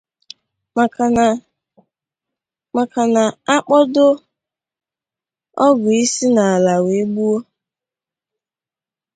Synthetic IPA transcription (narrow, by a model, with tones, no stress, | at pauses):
ma˨ | ma˨ka˨na˨a˦k͡pɔ˦dʊ˦ | ɔ˦ɡʊ˨i˦si˦na˨a˨la˨we˨˦ɡ͡bu˦o˦